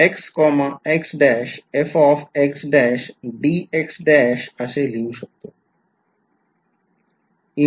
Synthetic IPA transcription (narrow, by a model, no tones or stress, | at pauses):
ekskɔmaeksɖɛʃefɔfeksɖɛʃɖieksɖɛʃaʃelimʃɔk̚t̪o | i